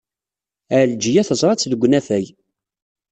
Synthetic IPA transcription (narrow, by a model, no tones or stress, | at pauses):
æld͡ʒijæθəzˤɾˤɑt͡sːðəɡʷːnæθæj